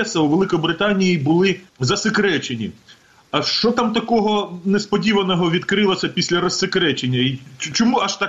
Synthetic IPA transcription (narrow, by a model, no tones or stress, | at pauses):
ɛsɐuʋelˠɪkɔjbɾɪt̪ɑnʲijibʊlˠɪzɐsɪkɾɛt͡ʃenʲḭ | ɐʃt͡ʃɔt̪ɑmt̪ɐkɔɦɔnespɔdʲiʋɐnɔɦɔʋʲid̪kɾɪlˠɐsʲɐpʲisʲlʲɐɾɔsekɾɛt͡ʃenʲːɐit͡ʃɔmuɐʃt̪ɑ